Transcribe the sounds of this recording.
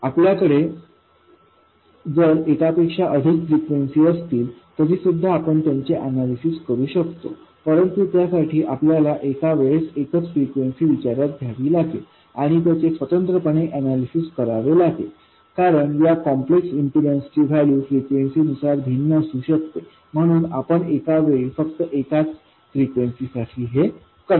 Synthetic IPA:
apljakəɽe | d͡zəɾekapekʂaʔəd̪ʱikfɾikʋensiːəst̪iːlt̪əɾiːsud̪ʱːaːpəɳt̪jaɲt͡seʔænalisiskəɾuːɕəkt̪o̰ | pəɾənt̪ut̪jasaʈʰiːʔapljalaʔekaʋeɭsekət͡sfɾikʋensiːʋit͡ɕaɾjat̪̚ɡʱjaʋiːlaɡḛ | aɽ̃it̪̬jat͡ɕesʋət̪ənt̪ɾəpəɳeʔænalisiskəɾaʋelaɡḛ | kaɾəɳjakɔmpleksimpuɖenst͡ɕiːʋ̤ʱæljuːfɾikʋensiːnusaɾbʱinːəəsuːɕək̚t̪e | m̤əɽ̃uːna̰pəɳekaʋeɭifəkt̪əʔekat͡s | fɾikʋensisaʈʰiːɦe | kəɾ

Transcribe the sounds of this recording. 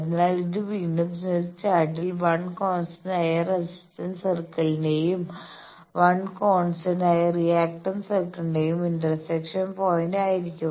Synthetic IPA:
ɐðinaːɭiðɨʋiɳɐbsnest͡ɕːaːʈilʋɐɳkoːnsɐnaːjɐresi̥stɐnsɐrkɐɭindejum | ʋɐɳkoːnsɐnaːjɐrijaːk̚ʈɐnsɐrkːɐnɖejumindɐrsekʂɐnpoːjindaːjiɾikʲːu

